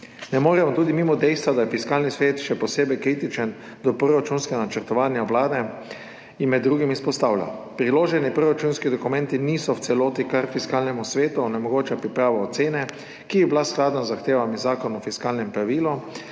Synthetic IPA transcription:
nɛmoːɾɛmɔt̪uːd̪imiːmɔd̪ɛjst̪ʋad̪ajɛfiskaːlnisʋeːt̪ʃɛpɔseːbɛjkɾiːt̪it͡ʃɛn | d̪ɔpɾoɾat͡ʃunskɛɡanat͡ʃɛɾt̪ɔʋaːnjaʋlaːd̪ɛ | inmɛd̪ːɾuːɡimispɔst̪awlʲja̰ | pɾiloːʒɛnipɾoɾat͡ʃunskid̪ɔkumɛ̃nt̪iniːsɔw̪sɛloːt̪ikaɾfiskaːlnɛmusʋeːt̪unɛmɔɡoːt͡ʃapɾipɾaːʋaːt̪seːnɛ | kibiblasklaːd̪nazaxt̪eːʋamizaːkɔnɔfiskaːlnɛmpɾaʋiːlɔ

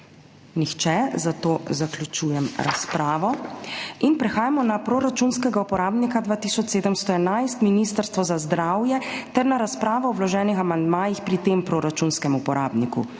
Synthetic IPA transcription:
nixt͡ʃɛzat̪oːzaklʲjut͡ʃuːjɛmɾa̰spɾaːʋɔ | inpɾɛxaːjamɔnapɾoːɾat͡ʃunskɛɡaupɔɾaːbnikad̪ʋaːt̪iːsɔt͡ʃseːd̪əmst̪ɔɛnajst̪minist̪əɾst̪ʋɔzazd̪ɾaːwjɛt̪ɛɾnaɾaspɾaːʋɔɔwlɔʒɛːnixamand̪maːjixpɾit̪eːmpɾoːɾat͡ʃunskɛmupɔɾʔaːbnikṵ

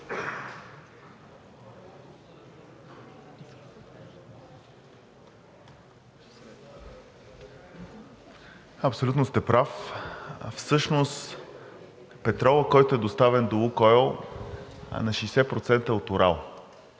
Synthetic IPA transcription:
ɐpsolʲut̪nost̪ɛpɾaf | fsɤʃnost̪ | pɛt̪ɾɔlˠəkɔjt̪oɛd̪ost̪avɛnd̪oukɔl̰ˠ | nɐʃijsɛpɾot̪sɛnt̪əot̪oɾalˠ

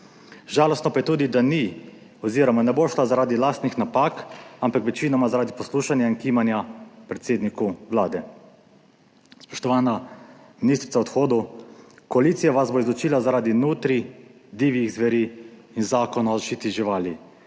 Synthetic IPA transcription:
ʒaːlɔst̪nɔpajɛt̪uːd̪id̪ani | ɔziːɾɔmanɛboːʃlazaɾaːd̪ilaːst̪nixnapaːkampakʋɛt͡ʃiːnɔmazaɾaːd̪ipɔsluːʃanjaiŋkiːmanjapɾɛt̪seːd̪nikuʋlaːd̪ɛ | spɔ̥ʃt̪ɔʋaːna | minist̪ɾit̪saɔt̪xoːd̪ukɔaliːt̪sijaʋazboizlɔt͡ʃiːlazaɾaːd̪inuːt̪ɾi | d̪iːʋiɣzʋɛɾiː | nzaːkɔnaɔzaʃt͡ʃiːt̪iʒiʋaːli

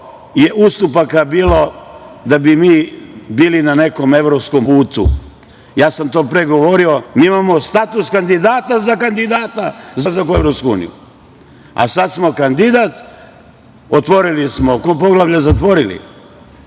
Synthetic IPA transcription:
je̞ʔust̪upakabiːlo̞d̪abimiːbiːlinane̞ko̞me̞ʋɾopsko̞mpuːt̪ṵ | jaːsamt̪o̞ːpɾeɡo̞ʋo̞ɾio̞miːimamo̞st̪at̪uskand̪id̪aːt̪azakand̪id̪aːt̪azazakue̞ʋɾopskuṵːnḭjṵ | a̰sat̪smo̞kand̪id̪aːt̪ | ot̪ʋo̞ɾilismokop̬o̞ɡlaʋʎazat̪ʋo̞ɾilḭ

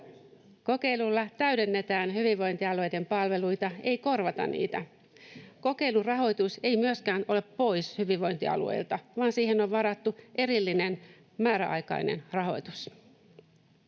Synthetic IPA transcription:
ko̞ke̞ilulːɑt̪æɥde̞nːe̞t̪æːnhyʋiʋʋo̞int̪iɑluejde̞mpɑlʋe̞lujt̪ɑe̞jko̞rʋɑt̪ɑ̰nnḭːt̪æ | ko̞ke̞ilurɑɦo̞jt̪use̞jmyøskæːno̞le̞ppːo̞jshyʋiʋʋo̞jnt̪iɑ̰lṵḛilt̪ɑʋɑːnsiːhe̞noʋʋɑɾɑt̪ːuʔe̞ɾilːine̞n | mæːɾæʔɑ̰jkɑ̰inḛnrɑɦo̞̰jt̪us

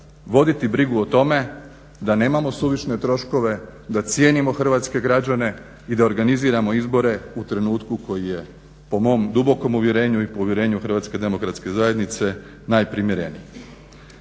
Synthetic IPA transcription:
ʋo̞d̪it̪ibɾiɡuot̪o̞me̞ | d̪ane̞ːmamo̞suʋit͡ʃne̞t̪ɾo̞ʃko̞ʋe̞d̪at̪sje̞ːnimo̞xr̩ʋaːt̪ske̞ɡɾad͡ʑane̞ | id̪aoɾɡaniziːɾamo̞izbo̞ɾe̞ut̪ɾe̞nuːt̪kuko̞jije̞ | po̞mo̞ːmd̪ubo̞ko̞muʋjeɾe̞ːɲuipouʋjeɾe̞ːɲuxr̩ɾʋaːt̪ske̞d̪e̞mo̞kɾat̪ske̞zajed̪nit̪se̞ | naːjpɾimjeɾe̞̰nḭj

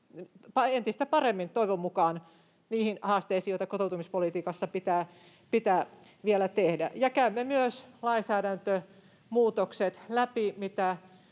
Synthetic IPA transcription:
pɑent̪ist̪æpɑremːint̪oiʋomːukɑːn | niːhinhɑːst̪eisijoit̪ɑkot̪out̪umispolit̪iːkɑsːɑpit̪æː | pit̪æː | ʋielæt̪ehdæ̰jɑkæymːemyøslɑinsæːɾænt̪ø | muːt̪okset̪læpimit̪æ

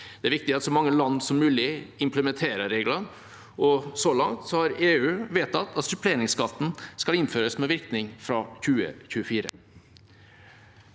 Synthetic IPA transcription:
d̪̥ɛæɾʋɪkt̪ɪɑt̪sɔmɑŋːəlɑnd̪sɔmːʉːlɪɪmpləmɛnt̪ʰeːɾəɾeːɡlɑn | ʔɔsɔlɑŋt̪sɔhɑɾeːʉːʋeːt̪ːɑt̪ʰːɑt̪sʉpleːɾɪŋskɑt̪ːn̩skɑlɪnføːɾəsmɛʋɪɾknɪŋfɾɑçʉːə̰çʉːəfiːɾə̰

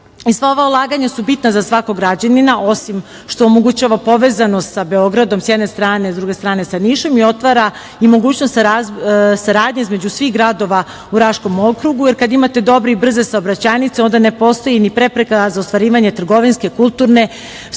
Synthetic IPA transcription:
isʋaoʋaulˠaːɡaɲasubit̪nazasʋakoɡɾad͡ʑaninaʔo̞sim | ʃt̪oːmoɡut͡ɕaʋapo̞ʋezanost̪sabeo̞ɡɾad̪o̞msjɛd̪ne̞st̪ɾaːnezd̪ɾuɡe̞st̪ɾaːne̞saniʃo̞mio̞t̪ʋaɾa | imo̞ɡuːt͡ɕnost̪sasaɾaːd̪ɲaizme̞d͡ʑusʋixɣɡɾad̪o̞ʋa | uɾaʃko̞mo̞kɾuɡuje̞ɾkad̪aimat̪e̞d̪o̞bɾiibr̩ze̞saobɾat͡ɕaːnit̪seo̞nd̪ane̞po̞st̪o̞jinipɾe̞pɾekazaost̪ʋaɾiːʋaɲe̞t̪r̩ɡo̞ʋinske̞kulˠt̪uːɾne̞

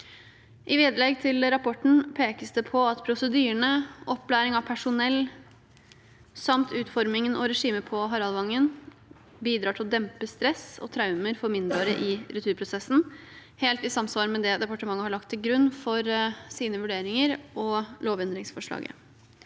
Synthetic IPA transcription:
ʔɪʋeːd̪əlɛɡt̪ʰɪlɾɑpʰɔʈɳ̩pʰeːkəsd̪ɛpʰɔɑt̪pʰɾʊsəd̪yːəɳəʔɔpːlæːɾɪŋɑʋpʰæʂʊnɛlː | sɑmt̪ʰʉːt̪fɔɾmɪŋənʔɔɾɛʂiːməpʰɔɦɑɾɑlʋɑŋːən | biːd̪ɾɑːʈʰɪlɔd̪ɛmpəst̪ɾɛsɔ̰t̪ʰɾɑʉməɾfɔɾmɪnd̪ɾoɾəʔɪɾʉt̪ʰʉːɾpʰɾʊsɛsːn̩heːlt̪ɪsɑmsʋɑːɾmɛd̪ɛd̪ɛpɑʈəmɑŋːəhɑɭɑk̚t̪ʰːɪlɡɾʉnːfɔɾsiːnəʋʉɖeːɾɪŋəɾɔloːʋɛnd̪ɾɪŋsfɔʂɭɑ̰ːɡə̰

